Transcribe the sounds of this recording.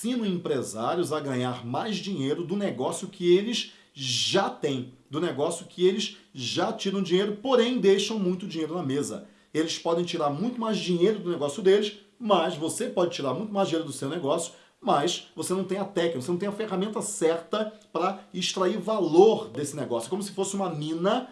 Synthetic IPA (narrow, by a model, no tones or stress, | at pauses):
sĩnɐ̃ẽmpɾezaɾjʊzɐɡɐ̃ɲaɾmajzd͡ʒĩɲejɾʊd̪ʊneɡɔsjʊkʰɪelɪs | ʒat̪ẽj̃d̪ʊneɡɔsjʊkʰɪelɪʃʒat͡ʃiɾɐ̃w̃d͡ʒĩɲejɾʊpoɾẽj̃d̪ejʃɐ̃w̃mũj̃t̪ʊd͡ʒiɲejɾʊnɐmezɐ̰ | elɪspɔd̪ẽj̃t͡ʃiɾaɾmũj̃t̪ʊmajzd͡ʒiɲejɾʊd̪ʊneɡɔsjʊd̪elɪʃ | mɐʃvosepɔd͡ʒɪt͡ʃiɾaɾmũj̃t̪ʊmajʒd͡ʒĩɲejɾʊd̪ʊsewneɡɔsjʊ̥ | mɐsvosenɐ̃w̃t̪ẽj̃ɐt̪ɛkɪvoseñt̪ej̃ɐfeʁamẽnt̪ɐsɛɾt̪ɐpɾɐɪʃt̪ɾaiɾvaloɾd̪esɪneɡɔsjʊkõmʊsɪ̥fosɪũmɐmĩnɐ